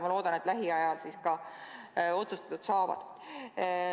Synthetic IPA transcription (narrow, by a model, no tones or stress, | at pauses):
mɑlo̞ːd̪ɑnet̪ːˑlæɦiɑjɑlsiskɑ | o̞t̪sust̪ɑ̥t̪ud̪sɑːvɑ̰d̪̥